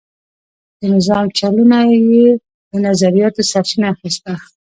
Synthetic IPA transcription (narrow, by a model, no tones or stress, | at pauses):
d̪̥ənɪzɑmt͡ʃalunaje | d̪ənazaɾijɑt̪osatinaxist̪a